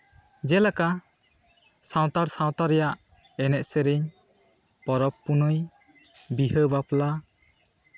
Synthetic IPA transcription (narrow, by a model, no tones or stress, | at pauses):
d͡ʒɛlaka | sãwt̪aɾsawt̪aɾɛjaʔ | ɛnɛʔseɾiɲ | pɔɾɔpːunɯj | biɦəbapla